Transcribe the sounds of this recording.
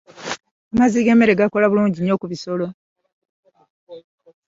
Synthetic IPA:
amaziːɡe̞ːmːe̞ɾe̞ɡako̞laβuluːɲɟiɲːo̞ːkuβiso̞lo̞

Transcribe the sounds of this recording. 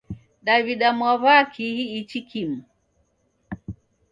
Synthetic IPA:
ɗaβiɗamwaβakʰihiːt͡ʃikʰim̩

